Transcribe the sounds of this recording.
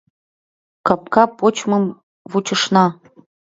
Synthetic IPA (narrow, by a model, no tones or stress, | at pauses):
kap̚kɑpot͡ɕmɤ̆m | vut͡ɕə̆ʂnɑ